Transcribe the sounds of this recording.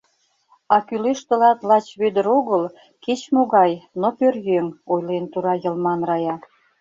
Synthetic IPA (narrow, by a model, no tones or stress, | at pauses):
ɑkyleʃt̪ə̆lɑt̪lɑt͡ɕβød̪ə̆ɾoɣəl | ket͡ɕmoɣɑjnopørjøŋojlent̪uɾɑjə̆lmɑnrɑjɑ